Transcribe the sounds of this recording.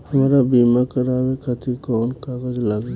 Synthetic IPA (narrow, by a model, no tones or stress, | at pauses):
həmɾabimakəɾawekʰat̪iɾkɔːnkaːɡəd͡ʒləɡla